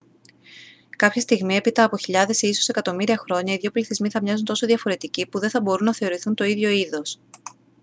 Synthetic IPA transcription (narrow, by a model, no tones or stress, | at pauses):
kɐpçɐst̪iɣmie̞pit̪ɐːpo̞çiʎɐðe̞sisose̞kɐt̪o̞miɾiɐxɾo̞ɲɐiðʝo̞pliθizmiθɐmɲɐzunt̪o̞so̞ðjɐfo̞ɾe̞t̪icipuðe̞θɐbo̞ɾunːɐθe̞o̞ɾiθunt̪o̞iðʝo̞iðo̞s